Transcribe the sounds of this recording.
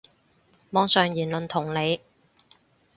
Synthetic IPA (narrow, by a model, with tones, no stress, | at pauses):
mɔː˨˥ŋsœː˨ŋjiː˨˩nlɵ˨nt̪ʰʊ˨˩ŋle˨˧j